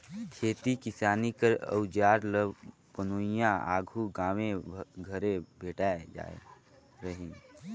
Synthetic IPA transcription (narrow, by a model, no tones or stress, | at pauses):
kʰeːt̪ikɪsaːnikəɾə̰ʊd͡ʒaːɾləb | pənoːɪjãa̰ːɡʱuɡãːʋẽɡʱəɾebʱeːʈaːed͡ʒa̰ḛ | ɾəɦɪ̃n